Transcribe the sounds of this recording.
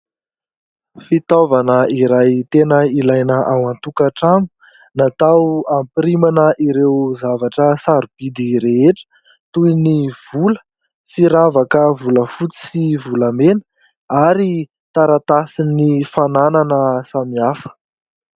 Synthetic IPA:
fit̪ovanəiɾajt̪enəilajnəʔawant̪ukaʈ͡ʂamu̥ | nat̪awampɾimanəʔiɾewzavaʈ͡ʂəsaɾub̥id̪iɾeɦeʈ͡ʂə̥ | t̪ujniv̥ulə̥ | fiɾavakəvuləfut͡si̥sivuləmenə̥ | aɾi | t̪aɾat̪asinifanananəsamiafə̥

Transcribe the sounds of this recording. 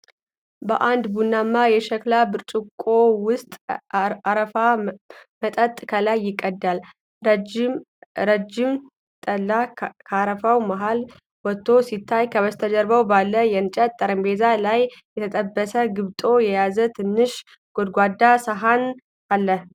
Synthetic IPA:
bəʔand̪bunːamːajɛʃɛklabɨɾt͡ʃʼukʼowʊst̪ʼaɾəamət̪ʼət̪ʼkʰəlajːɪkʼːəd̪ːal | d͡ʒɪm | d͡ʒɪm | t̪ʼəlːakʰaaɾəfawmaɦal | wɔt̪ʰːo̞sit̪ʰːajkʰəβəst̪ʰəd͡ʒəɾbəwbalːəjɛnt͡ʃʼɛt̪ʼːəɾəmbezalajjɛt̪ʰət̪ʼəbːəsəɡɨβt̪ʼo̞jɛjazət̪ʰɨnːɨʃ | ɡ̥od̪ɡʷad̪asəɦan | alːəh

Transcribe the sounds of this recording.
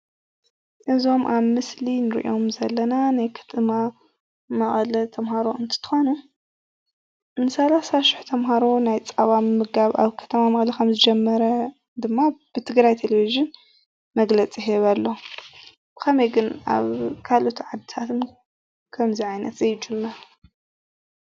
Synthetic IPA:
ʔɨzo̞mʔaβmɨslinɨɾḭʔo̞mzɐlːɐnanajkʰɐ̥t̪ʰma | mɐχʼlɐt̪ʰɐmhaɾo̞ɨnt̪ʰɨ̥t̪ʰɨ̥xonu | nːɨsɐlasaʃɪ̥ħt̪ʰɐmɦaɾo̞najt͡sʼɐβammɨɡaβa̰βkʰɐ̥t̪ʰɐmamɐχʼlɐkʰɐmzɨd͡ʒɛmːɐɾɐ | d̪ɨmːab̥ɨt̪ʰɨɡɾajt̪ʰelevizɨn | mɐɡlɐt͡sʼiɦeβalːo̞ | kʰɐmɐjɡɨna̰βkʰalot̪ʰʕad̪ɨt̪ʰat̪ʰɨn | kʰɐmziʕajnɐt̪ʼejɪd͡ʒɨmːɐɾ

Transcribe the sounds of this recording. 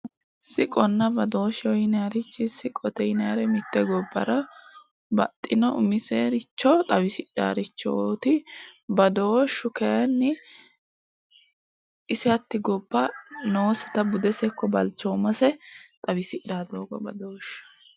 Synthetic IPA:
sɪkʼɔnːɐbɐd̪o̞ːʃɛɔjɪnɐaɾɪt͡ʃːɪsɪkʼɔt̪ɛjɪnɐɾɛmɪt̪ːɛɡɔbːɐ̰ɾɐ | bɐ̰t̪ʼːɪnɔʊmɪseːɾɪt͡ʃːɔt̪ʼɐbɪsɪda̰ːɾɪt͡ʃːɔot̪ɪbɐd̪oːʃːʊkɛjɐnːɪ | ɪsɪɐt̪ːɪɡɔbːɐnoːsɐt̪ɐbʊd̪ɛsɛkːɔbɐlt͡ʃːɔmɐsɛt̪ʼɐbɪsɪd̪aːd̪oːɡɔbɐd̪oːʃɐ̥

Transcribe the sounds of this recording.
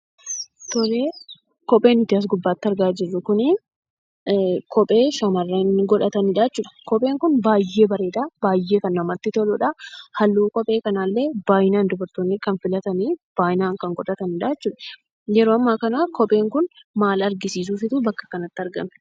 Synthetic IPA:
t̪ɔleː | kɔpʼeːnɪt̪ːɪɐs̬ɡʊbːaːt̪ːɪɐɾɡaːd͡ʒɪrːʊkʊnɪ | kɔpʼe̞ːʃɐmɐrːeŋɡɔᶑɐt̪ɐnɪᶑaːt͡ʃːuːᶑɐ̥kɔpʼe̞ːŋkʊnbaːjːe̞ːbɐɾeːᶑ̪aːbaːjːe̞ːkɐnːɐmɐt̪ːɪt̪ɔlʊᶑahɐlːuːkɔpʼe̞ːkɐnaːlːeːb̥aːjɪnaːnd̪ɔbɐɾt̪onːɪkɐnfɪlɐt̪ɐniːb̥aːjɪnaːŋkɐŋɡɔᶑɐt̪ɐnɪᶑaːt͡ʃːuːᶑɐ | jɛɾoːɐmːaːkɐnaːkɔpʼe̞ːŋkʊnmaːlɐɾɡɪsiːs̬uːfɪt̪ubɐkːɐ̥kɐnɐt̪ːɐɾɡɐ̰mɛ̥

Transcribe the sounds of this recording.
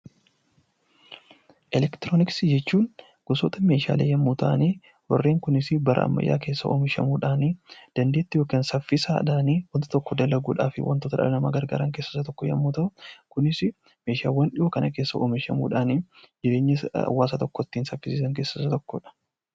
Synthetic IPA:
ʔɛlɛkt̪ɪɾoːnɪksɪd͡ʒɛt͡ʃːuːn | ɡ̥ɔsoːt̪ɐme̞ːʃa̰ːleːjɐmːuːt̪aniː | wɔrːeːŋkʊnɪsɪbɐɾʔɐ̰ɐ̰mːɐ̰jːa̰ːke̞ːsːɐʔoːmɪʃɐ̰muːᶑaːnid̪̥ɐnd̪e̞ːt̪ːɪjoːkensɐfːɪsaːɐ̰ᶑaːniːwɐnt̪ɐ̥t̪ɔkːɔd̪ɐlːɐɡuːᶑa̰ːfɪ̰wʔɐ̰nt̪oːt̪ɐᶑɐ̰ɾɐnɐma̰ːɡɐɾɡa̰ːɾɐŋke̞ːsːɐsɐt̪ɔkːɔjɐ̰mːuːt̪ɐʊkʊnɪsɪ | me̞ːʃa̰ːwɐnᶑɪʔɔkɐnɐke̞ːsːɐʔoːmɪʃɐmṵːᶑaːnɪd͡ʒɪɾe̞ːɲːɐɐ̰wːaːsɐːt̪ɔkːɔt̪ːiːnsɐfːɪsiːsɐŋke̞ːsɐsɐt̪ɔkːɔᶑɐ̥

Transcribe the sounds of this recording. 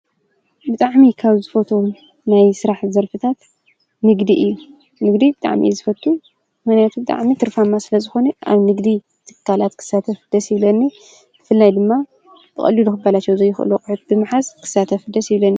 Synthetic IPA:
bɨt̪ʼaʕmikʰaβzɨfot̪ʰo | najsɨɾaħzɐɾfɨt̪ʰat̪ | nɨɡd̪iɨjːu | nɨɡd̪ibɨt̪ʼa̰ʕmḭzɨfɐt̪ʰʼːu | mɨnjat̪ʰubɨt̪ʼa̰ʕmit̪ʰɨɾfamːasɨlɐzɨxo̞nɐʔa̰βnɨɡd̪i | t̪ʰɨ̥kʰːalat̪kʰɨ̥sat̪ʰɐfɨd̪ɐsjɪβlɐnːi | b̥ɨfɨlːajd̪ɨmːa | b̥ɨkʼɐ̰lːiluxɨbːalat͡ʃːɛwzɐjːɪxʔɨ̰lukʼɨħɨt̪̚bɨmɨħaskʰɨ̥sat̪ʰɐfd̪ɐsjɪβlɐnːi

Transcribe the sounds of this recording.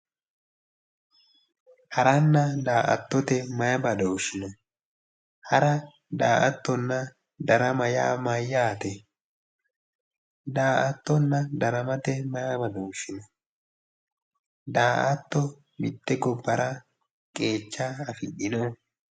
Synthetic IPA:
hɐɾɐnːɐd̪aːʔɐ̰t̪ːɔt̪ɛmɐjɐbɐd̪ɔʊʃɪnɔ | hɐɾɐ | d̪aːʔɐt̪ːɔnːɐ | d̪ɐɾɐmɐja̰ːmajːaːt̪ɛ | d̪aːʔɐt̪ːɔnːɐd̪ɐɾɐmɐt̪ɛmɐjɐbɐd̪ɔʊʃɪnɔ | d̪aːʔɐt̪ːɔ | mɪt̪ːɛɡɔbːɐɾɐ | kʼe̞ːt͡ʃːɐːfɪɗɪnɔ

